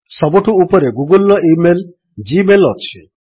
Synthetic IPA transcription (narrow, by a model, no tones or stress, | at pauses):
sɔbuʈʰuupɔɾeɡuɡulɔimel | d͡ʒimelɔt͡ʃʰi